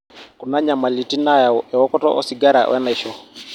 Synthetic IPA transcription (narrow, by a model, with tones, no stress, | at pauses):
ku˨na˦ɲa˨ma˨li˨ti˦na˦ja˨ɔɛ˨wɔ˦kɔ˦tɔ̰˦ʔɔ̰˦si˨ɡa˦ɾa̰˨wʔɛ̰˦na˨ʃɔ˦